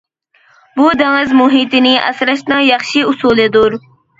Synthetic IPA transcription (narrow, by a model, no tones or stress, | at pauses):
bud̪ɪŋɪzmuɦit̪ɪnɪʔɛ̰sɾɑʃt̪nɨŋjɑχʃiusuːlˠɪd̪uɾ